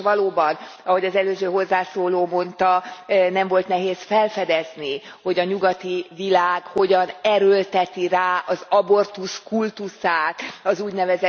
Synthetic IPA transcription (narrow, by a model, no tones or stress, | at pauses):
ʋɒloːbɒnɒɦo̞ɟɒzɛløːzøːɦo̞zːaːsoːloːmo̞nt̪ɒnɛɱvo̞lt̪nɛɦeːsfɛlfɛd̪ɛzni | ho̞ɟɒɲuɡɒt̪ivilaːɡho̞ɟɒnɛɾølt̪ɛt̪iraːʔɒzɒbo̞rt̪uskult̪usaːt̪ɒzuːɟnɛvɛzɛ